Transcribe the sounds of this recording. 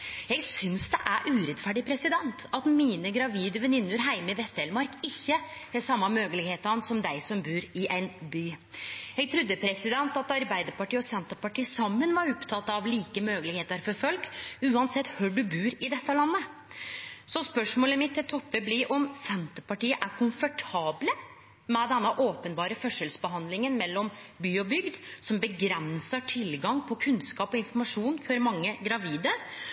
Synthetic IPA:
jæɪɡsʏnsd̪ɛ̰ʔæɾʔʉːɾɛt̪fæːɖɪpʰɾɛsɪd̪ɛnt̪ɑt̪miːnəɡɾɑʋiːd̪əʋɛnɪnːʉɾɦæɪməʋɛst̪ɛlmɑɾkɪçːəhɛsɑmːɑmøːɡəlɪɡheːt̪əɾɑnsɔmd̪æɪsɔmbʉːɾɪʔæɪnbyːjɛɡ̚t̪ʰɾʉd̪ːəpʰɾɛsɪd̪ɛnt̪ɑt̪ɑɾbæɪd̪əɾpɑʈiːɔsɛnt̪əɾpɑʈiːsɑmːənʋɑɾɔpt̪ʰɑt̪ːɑʋliːkəmøːɡəlɪɡheːt̪əɾfɔɾfɔlkʉːɑnsɛt̪ːhøːɖʉbʉːɾɪd̪ɛt̪ːəlɑnːə | sɔspœʂmoːləmɪt̪ːɪlt̪ʰɔpːəblɪɾʔɔmsɛnt̪əpɑʈiːəʔæɾkʰʊnfəʈʰɑːblə | mɛd̪ɛnːəʔoːpənbɑːɾəfœʂəlsbəɦɑnd̪lɪŋənmɛlːɔmbyːɔbʏɡd̪sɔmbəɡɾɛnsəʈʰɪlɡɑŋpʰɔkʰʉnskɑːpɔɪnfɔɾmɑʂuːnfɔɾmɑŋːəɡɾɑʋiːd̪ə

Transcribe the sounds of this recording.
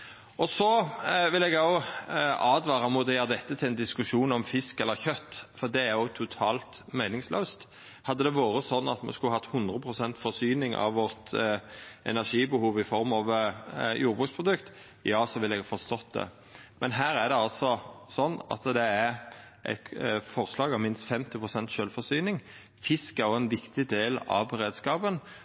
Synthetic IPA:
ɔsɔʋɪlɛɡɑʊ | ɑːd̪ʋɑːʁɑmʊt̪jɑɾd̪ɛt̪ʰːət̪ʰɪlɛnd̪ɪskʉʂuːnɔmfɪskɛlːəɾçœt̪ːfɔʁd̪ɛæɾjʊt̪ʰʊt̪ʰɑːlt̪mæɪnɪŋsløːst̪ | hɑd̪ːəd̪ɛʋɑːɾəsɔnːɑ̰t̪mɛ̰skʉlhɑt̪hʉnd̪ʁəpʰʁʊsɛnt̪fɔʁsyːnɪŋʔɑ̰ʋʋɔʁt̪ | ʔɛ̰næʂiːbəhuːʋɪfɔɾmɑʋjuːɾbʁʉːkspʰɾʊd̪ʉkt̪ | jɑːsɔʋɪlɛɡfɔst̪ɔt̪̚d̪ɛ̰ | mʔɛnɦæːɾæd̪ɛɑlsɔsɔnːɑ̰t̪d̪ɛæɾ | ʔɛ̰t̪fɔɾslɑːɡɑʋmɪnst̪fɛmt̪ɪpʰɾʊsɛnt̪ʃœlfɔsyːnɪŋ | fɪskɑɔɛnʋɪkt̪ɪd̪eːlɑ̰ʋɾeːd̪skɑːpən

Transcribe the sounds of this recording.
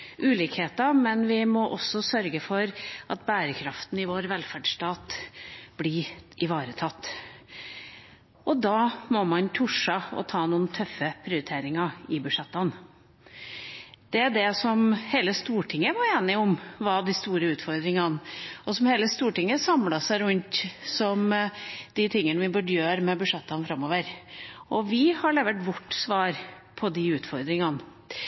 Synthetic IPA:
ʔʉːliːkheːt̪əɑmɛnʋɪmɔʔɔsːɔsœɾɡəfɔɾɑt̪bæːɾəkʰɾɑft̪n̩ɪʋoːɾʋɛlfæɖʂʈɑːt̪b̥lɪʔɪʋɑːɾət̪ʰɑt̪ː | ʔɔd̪ɑːmɔmɑnt̪ʰʊʂəɔ̰t̪ʰɑːnuːənt̪ʰœfːəpʰɾɪʊɾɪt̪ʰeːɾɪŋɑɪbʉʂɛt̪ːɑn | d̪̥ɛæɖ̪ɛsɔmheːləst̪uːʈʰɪŋːəʋɑɾeːnɪʊmʋɑd̪ɪst̪uːɾəʉːt̪fɔɾd̪ɾɪŋɑnʔɔsɔmheːləst̪uːʈɪŋːəsɑmlɑsæɪɾʉnt̪sɔmd̪̥ɪt̪ʰɪŋːənəʋɪbʉɖəjøːɾmɛbʉʂɑt̪ːɑnfɾɑmːoːʋəɾʔɔʋɪhɑɭeːʋəʈʋɔʈːsʋɑːɾpʰɔd̪ɪʉːt̪fɔɾd̪ɾɪŋɑn

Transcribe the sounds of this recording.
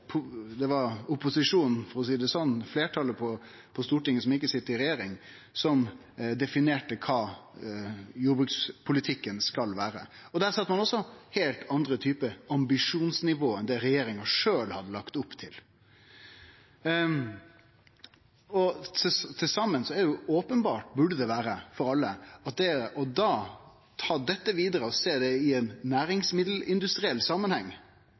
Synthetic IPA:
pʰʊd̪ɛʋɑɾʊpʊsɪʂuːnn̩fɔɾɔs̬iːd̪ɛsɔnːfleːʈʰɑləpʰɔ | pʰɔst̪uːʈɪŋːəsɔmɪkːəsɪt̪ːəɾɪɾɛjeːɾɪŋ | sɔm | d̪ɛfɪneːʈəkʰɑː | juːɾbɾʉk̪spʰʊlɪt̪ʰɪkːənskɑlʋæːɾəɔd̪æɾsɑt̪ːəmɑnɔsːɔheːlt̪ʰɑnd̪ɾət̪ʰyːpəɑmbɪʂuːnsnɪʋoːɛnd̪ɛɾɛjeːɾɪŋəʂøːlhɑd̪ːəlɑkt̪ʊpːt̪ʰɪl | ɔt̪ʰɪlsɑmːənsɔæɖɛjʊoːpənbɑːʈ̚bʉɖəd̪ɛʋæːɾəfɔɾɑlːəɑt̪̚d̪ɛɔd̪ɑː | t̪ʰɑːd̪ɛt̪ːəʋiːd̪əɾəɔseːd̪ɛɪɛnːæːɾɪŋsmɪd̪l̩ɪnd̪ʉst̪ɾɪɛlːsɑmːənhɛŋː

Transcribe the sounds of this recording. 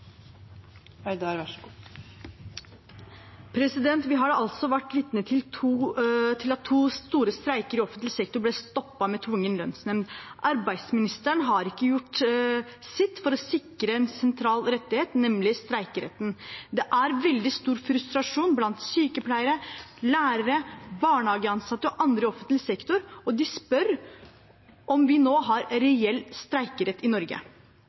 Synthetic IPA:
œd̪ɑɾæ | pʰɾɛsɪd̪ɛnt̪ʋɪɦɑɖɑlt̪sɔʋæʈːʋɪt̪nət̪ʰɪlt̪ʰuːt̪ʰɪlɑt̪ʰːuːst̪uːɾəst̪ɾæɪkəɾɪɔfənt̪lɪsɛkt̪ʊblɛːst̪ɔpːɑmɛt̪ʰʋʊŋːənlœnsnɛmnʔɑɾbæɪd̪smɪnɪst̪əɳɦɑɾɪkːəjʊʈ | sɪt̪ːfɔɾɔsɪkːɾəɛnsɛnt̪ʰɾɑːlɾɛt̪ːɪheːt̪nɛmlɪst̪ɾæɪkəɾɛ̰t̪ːnd̪ɛʔæɾʋɛld̪ɪst̪uːɾfɾʉst̪ɾɑʂuːnblɑnt̪syːkəpʰlæɪəɾəlæːɾəɾəbɑːɳəɑːɡəɑnsɑt̪ːəɔʔɑnd̪ɾəɔfənt̪lsɛkt̪ʊɾɔd̪ɪspœɾ | ʔɔmʋɪnoːɦɑɾɾɛɛlːst̪ɾæɪkəɾɛt̪ːɪnɔɾɡə̰

